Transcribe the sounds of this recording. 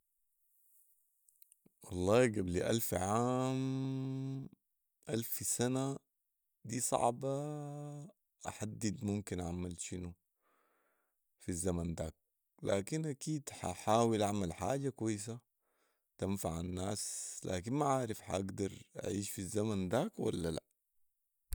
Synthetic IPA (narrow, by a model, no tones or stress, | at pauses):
wɑlˤːɑːɡabliʔalfʕaːm | ʔalfsana | d̪iːsˤɑ̰ʕbɑ | ʔaħad̪ːid̪mumkinʔa̰ʕmalʃinu | fizːamand̪aːk̚ | laːkinʔakiːd̪ħa̰ħaːwilʔaʕmalħa̰ːɟakwajːs̬a | t̪anfaʕanːaːsla̰ːkinmaʕaːɾɪfħaʔaɡd̪ɑɾˤʔa̰ʕiːʃfizːamand̪aːkwa̰lːala̰